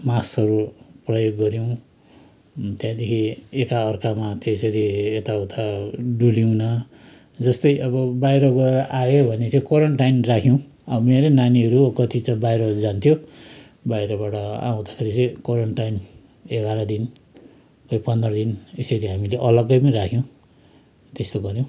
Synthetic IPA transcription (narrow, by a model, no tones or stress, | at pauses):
masʌɾuprʌjoɡːʌɾjõ | t̪jãd̪ekʰiekaʌrkamat̪esʌɾiet̪aut̪ʰaɖuliwnʌ | d͡zʌst̪ʌjʔʌbʌbajɾʌɡʌɾeɾʌʔajebʱʌnet͡sãĩkʌɾʌɳʈajnrakʰjõ | ʌbʌmeɾʌnaniʌɾukʌt̪it͡sãbajɾʌd͡zant̪ʰjo | bajɾʌbaʈʌa̰ũd̪akʰeɾit͡sʌ̃j̃koɾʌɳʈʈajn | eɡaɾʌd̪in | kʌjpʌnd̪rʌd̪inesʌɾiɦamileʔʌlʌɡʌjpʌniɾakʰjõ | t̪est̪oɡʌɾjow̃